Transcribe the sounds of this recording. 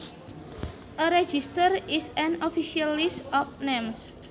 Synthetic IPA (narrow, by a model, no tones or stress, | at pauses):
ʔəɾɛd͡ʒist̪əɾisɛ̃nofiʃialistɔfnems